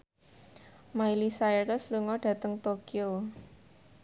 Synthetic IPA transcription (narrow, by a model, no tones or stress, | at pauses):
mailisaɛɾɔsluŋɔɖ̥ä̤t̪əŋt̪okio